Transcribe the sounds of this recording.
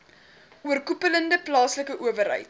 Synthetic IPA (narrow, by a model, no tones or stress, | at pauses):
uərkupələndəplɑːsləkəʔuəvərɦə̰jt